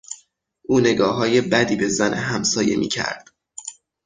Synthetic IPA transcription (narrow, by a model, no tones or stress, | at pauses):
ʔuːne̞ɡɒːɦɒːje̞bæd̪iːbe̞zænʔeɦæmsɒːje̞̰mḭːcʰæ̰ɾd̪̥̚